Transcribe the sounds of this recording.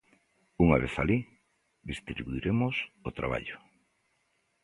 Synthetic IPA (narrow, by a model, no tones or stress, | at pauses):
uŋaβeθali | ðist̪ɾiβuiɾemʊsot̪ɾa̰βa̰ʎʊ